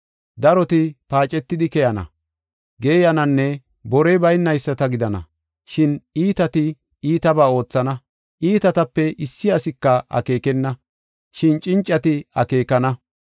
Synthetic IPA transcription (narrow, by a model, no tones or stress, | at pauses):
d̪ɐɾɔt̪ɪpaːt͡ʃʼːɛt̪ːɪd̪ɪkɛjɐnɐ̰ | ɡe̞ːjɐnɐnːɛ | bɔɾɛbɐjnːɐjsːɐt̪ɐɡɪd̪ɐnɐ̰ | ʃɪniːt̪ɐt̪ɪ | iːt̪ɐbaːo̞ːt͡sːɐnɐ | ʔiːt̪ɐt̪ɐpːɛʔɪsːɪɐsɪkːɐʔɐ̰ke̞ːkɛnːɐ | ʃɪnt͡ʃʼɪnt͡ʃʼːɐt̪ɪɐke̞ːkɐnɐ